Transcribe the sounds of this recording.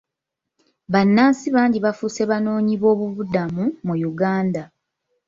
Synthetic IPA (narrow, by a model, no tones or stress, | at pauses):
βanːaːnsiβaːɲɟiβafuse̞βano̞ːɲiβo̞ːβuβudamumujuɡaːnda